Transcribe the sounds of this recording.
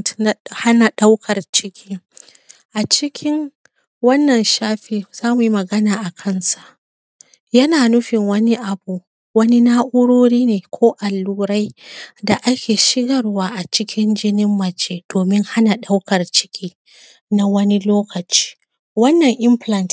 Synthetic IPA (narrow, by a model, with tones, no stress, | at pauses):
tna˨ha˦na˨ɗa˦wkʰɐ˨rt͡ʃɪ˦kʲʰiː˦ | ʔa˨t͡ʃɪ˦kʲʰɪ˦ŋ | wɐ˦nːɐ˨nʃaː˦ɸiː˨z̥aː˦mu˨ji˦mɐ˨ɡɐ˦naː˨ʔa˨kʰɐ˦˨nsa˨ʔ | jɐ˦naː˨nʊ˦ɸɪ˨ŋwɐ˦ni˦ʔa˨buː˨ | wɐ˦ni˦naː˦ʔʊ˦ɽoː˦ɾiː˦neː˨kʷʰoː˦ʔa˨lːuː˦ɾa˦jda˨ʔa˦kʲeː˨ʃɪ˦ɡɐ˨rwaː˦ʔa˨t͡ʃɪ˦kʲʰɪ˦nd͡ʒɪ˦nɪ˦mːɐ˨t͡ʃeː˦d̥oː˨mɪ˦ŋha˦na˨ɗa˦wkɐ˨rt͡ʃɪ̥˦kʲʰiː˦ | na˦wɐ˦ni˦loː˦kɐ˨t͡ʃi̥ː˦ | wɐ˦nːɐ˨ŋʔɪ˦mɸlɐ˦˨nt